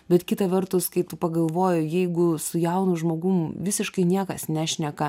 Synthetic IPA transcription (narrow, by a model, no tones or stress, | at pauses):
bʲɛt̪kʲɪt̪ɐʋʲɛrt̪ʊskɐɪt̪ʊpɐɡɐlˠʋoːjʊjɛɪɡʊsʊjɛʊnʊʒmoːɡʊmʋʲɪsʲɪʃkɐɪnʲiɛkɐsnʲæːʃʲnʲɛkɐ